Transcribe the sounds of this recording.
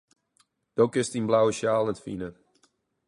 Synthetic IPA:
d̥okɪstinblawəʃjaːlˠətfinə

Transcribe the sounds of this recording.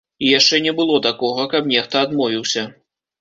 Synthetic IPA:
ijaʂt͡ʂɛnʲɛbɨlˠɔt̪akɔɣɐkɐbnʲɛxt̪ɐad̪mɔvʲiwsʲɐ

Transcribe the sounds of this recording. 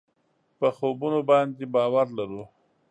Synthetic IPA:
pəxobunobɑnd̪ebɑwaɾlaɾu

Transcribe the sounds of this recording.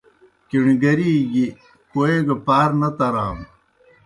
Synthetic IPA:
kiɳiɡɐɾiːɡi | koeɡɐpaːɾnɐt̪ɐɾaːm

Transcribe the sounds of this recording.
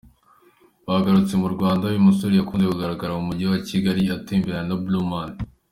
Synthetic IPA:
βaɡaɾut͡se̞muɾɡwaːndaajumusoɾijakuːnzekuɡaɾaɡaɾamumuɟiowaciɡaɾiatiːmbiɾanabluman

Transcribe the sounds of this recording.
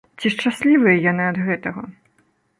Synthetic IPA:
t͡sʲiʂt͡ʂasʲlʲivɨjɐjanɨɐd̪ɣɛt̪ɐɣɐ

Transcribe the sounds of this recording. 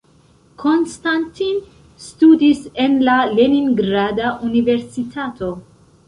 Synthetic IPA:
kʰo̞nstantin | studise̞nlaleninɡɾadaʔunive̞ɾsitʰatʰo̞

